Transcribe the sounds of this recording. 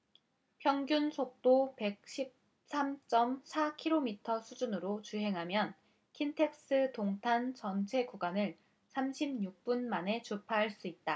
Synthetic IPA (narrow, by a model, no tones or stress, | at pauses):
pʰjʌŋɡjunsʰok̚t͈ope̞k̚ɕ͈ʰip̚ | sʰamt͡ɕ͈ʌmsʰakʰiɾomitʰʌsʰud͡ʑunɯɾot͡ɕuɦe̞ŋɦamjʌn | kʰintʰe̞k̚s͈ɯtoŋtʰant͡ɕʌnt͡ɕʰe̞kuɡwanɯɭ | sʰamɕʰimɲuk̚p͈unmane̞t͡ɕupʰaɦaɭs͈uit̚t͈a